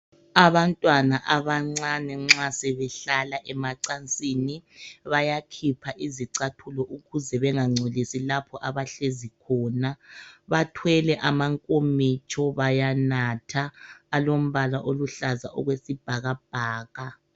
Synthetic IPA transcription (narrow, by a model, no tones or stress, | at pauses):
aβantʼwanaʔaβaŋ͡ǀanɛŋ͡ǁasɛβɛɬalaʔɛmaǀant͡sʼiːniβajakʰipʰaʔiziǀatʰulɔʔuɣuzɛβɛŋaŋ͡ǀʱolisilapʰɔʔaβaɬezikʰɔːnaβatʰwɛlɛʔamaŋkʼomit͡ʃʰʼɔβajanatʰaːlom̩βalaʔoluɬaza̰ʔɔɣwesib̥ʱaɣab̥ʱaːɣa